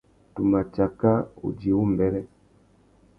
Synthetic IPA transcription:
tu˨ma˨t͡ʃa˨ka˦ṵ˨d͡ʒi˨wu˦m˨bɛ˦ɾɛ˦

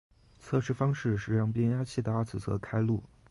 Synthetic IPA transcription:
t͡sʰɤ˥˩ʂɻ̩˥fɑ˥ŋʂɻ̩˥˧ʂɻ̩˥˩ɻɑ˥˩ŋp̬jɛ˥nja˥t͡ɕʰi˥˩t̪a˧a˥t͡sʰɹ̩˨˩t͡sʰɤ̰˥˩kʰa˥ɪlu˥˩

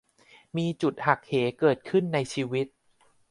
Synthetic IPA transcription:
miː˧t͡ɕu˨˩t̪̚ha˨˩k̚heː˩˦kɤː˨˩t̪̚kʰɯ˥˩nːa˧jt͡ɕʰiː˧wi˦˥t̪̚

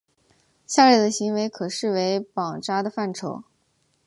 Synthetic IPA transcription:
ɕja˥˧le˥˩ɪd̪ə˩ɕi˧˥nwe˧˥ɪkʰɤ˨˩ʂɻ̩˥˩we˧˥ɪpɑ˨˩ŋʈ͡ʂa˥d̪ə˨fa˥˩nʈ͡ʂʰo˨˥ʊ

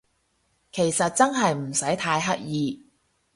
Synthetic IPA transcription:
kʰe˨˩jsɐ˨t̚t͡sɐ˥nɦɐ˨jm̩˨˩sɐ˨˥jt̪ʰaː˧jɦɐ˥k̚jiː˨˧

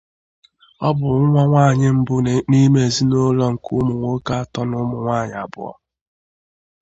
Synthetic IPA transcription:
ɔ˦bʊ˨ŋʊ˦ŋʷa˦ŋʷaː˦˨ɲɪ˦m̩˦bʊ˦˨ni˦me˦˨zi˦no˦lɔ˦ŋ̩˨kʰʊ˦mʊ˨ŋʷo˦ka˦a˦˨tɔ˦nʊ˦mʊ˨ŋʷaː˦˨ɲ˨a˨bʊ̰˨ɔ̰˦

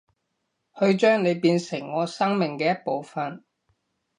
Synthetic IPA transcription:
hɵ˨˧ɥt͡ʃœː˥ŋne˨˧jpiː˧nsɪ˨˩ŋːɔː˨˧sɐ˥ŋmɪ˨ŋkɛː˧jɐ˥t̚po˨˧wfɐ˧n

